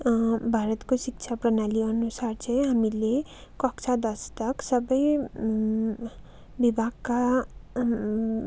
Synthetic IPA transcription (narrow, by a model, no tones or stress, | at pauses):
bʱaɾʌt̪kosik̚t͡sʰaprʌnaliʌnusart͡sʰʌ̃jɦamile | kʌkt͡sʰad̪ʌst̪ʌksʌbʌj | bibʱaɡka